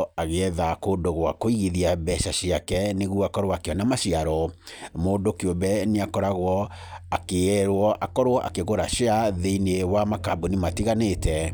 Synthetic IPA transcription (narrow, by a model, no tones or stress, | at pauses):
aɣeɛðakoːdoɣwakoiɣiðiabɛʃaʃiakɛneɣuakɔɾwakeɔnamaʃiaɾɔ | moːdokeobɛneakɔɾaɣwɔ | akeɛɾwɔʔakɔɾwɔʔa̰keɣoɾaʃeaðeinewamakabonematiɣanetʰɛ